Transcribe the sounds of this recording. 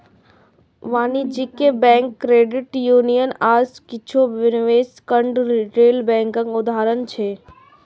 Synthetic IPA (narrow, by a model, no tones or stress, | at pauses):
ʋaːnid͡ʒikebɛ̃ːŋkːɾeːɖɪʈjuːnijənaːzkɪt͡ʃʰoʋɪnʋeːskəɳɖɾiʈeːlbɛ̃ːŋkə̃ŋkʊd̪aːɾənt͡ʃʰeː